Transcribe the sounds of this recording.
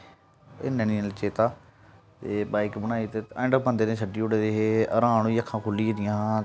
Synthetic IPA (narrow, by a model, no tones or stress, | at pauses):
enẽːniːlt͡ʃeːt̪aː | t̪eːbaːikbənaːiːt̪eːaːɪ̃ɳɖəpə̃nd̪eːnẽːsʰəɖiːʊɽeːd̪eːɦeːəɾãːɳ̃oiːəkʰːãːkʰʊlːiːd̪ɪjãː